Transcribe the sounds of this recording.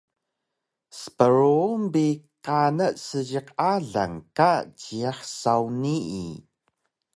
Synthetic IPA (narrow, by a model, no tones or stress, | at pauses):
sə̥pəɾumbiqanəʔsəʑəqaɮa̰ŋkat͡ɕiaħsawniḭ